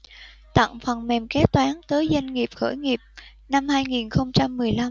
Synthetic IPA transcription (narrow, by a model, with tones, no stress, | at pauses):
t̪a̰˧˨ŋfə˨˩nmɛ˨˩mkɛ˨˦˥t̚t̪waː˨˦nt̪əː˨˦jzə˧jŋŋi˨˩əp̚xə̰ː˧˩jŋi˨˩p̚ | na˧mhaː˧jŋi˨˩nxə˧wŋ͡mt͡ɕa˧mːɨ˨˩əjla˧m